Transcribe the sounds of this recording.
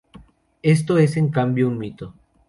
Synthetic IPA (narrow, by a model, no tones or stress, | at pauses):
e̞st̪oe̞se̞ŋkambjounmit̪o